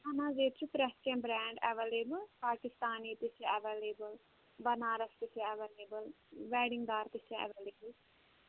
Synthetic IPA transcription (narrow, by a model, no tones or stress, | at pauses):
ɐnãːzeːt̪t͡ʃʰupɾɛskɛ̃mbɾɛ̃ːɳɖɛʋeːleːbəlpaːkɪst̪aːniːt̪ɪseəʋeːleːbəl | bɐnaːɾəst̪ɪseɐʋeːleːbəl | ʋɛːɖɪŋɡd̪aːɾt̪ɪsẽɛ̰ʋeːleːbəl